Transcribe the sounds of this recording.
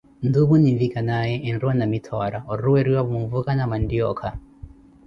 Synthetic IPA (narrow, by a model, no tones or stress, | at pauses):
nduβuninvikanajɛʔɛnɾuanamitʰɔɾaɔɾuɛɾiwaβuumvukanamandiɔkʰa